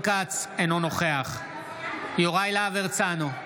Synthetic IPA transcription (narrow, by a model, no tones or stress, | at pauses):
kat͡senono̞χeaχ | joʁajlaveʁt͡sano